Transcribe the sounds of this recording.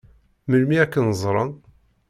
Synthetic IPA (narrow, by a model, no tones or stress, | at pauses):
məlmiækːənzˤɾˤɑn